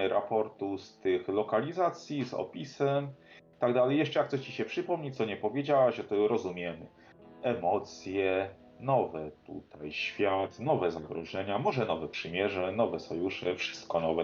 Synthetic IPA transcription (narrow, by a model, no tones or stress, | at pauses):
ɾʔapɔɾt̪ust̪ɘxlɔkalʲizat̪sʲjizɔ̰pʲisɛmt̪aɡd̪alɛjɛʂt͡ʂɛjakt̪sɔɕt͡ɕiɕɛpʂɘpɔmɲɛt̪sɔɲɛpɔvʲjed͡ʑawaʑʐɛt̪ɔɾɔzumʲjɛmɘ | ɛmɔt̪sʲjɛ | nɔvɛt̪ṵt̪ʰajɕfʲjat̪nɔvɛzaɡɾɔʐɛɲamɔʐɛnɔvɛpʂɘmʲjɛʐɛnɔvɛsɔjuʂɛfʂɘ̥st̪̚kɔnɔvɛ